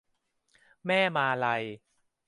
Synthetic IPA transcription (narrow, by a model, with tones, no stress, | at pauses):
mɛː˥˩maː˧la˧j